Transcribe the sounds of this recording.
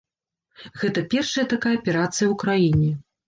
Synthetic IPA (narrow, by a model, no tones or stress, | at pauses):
ɣɛt̪ɐpʲɛrʂɐjɐt̪akajɐɐpʲɛɾat̪sɨjɐwkɾajinʲɛ